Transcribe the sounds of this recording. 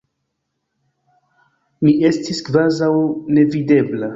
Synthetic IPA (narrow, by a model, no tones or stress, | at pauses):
mie̞stiskvazawne̞vide̞bla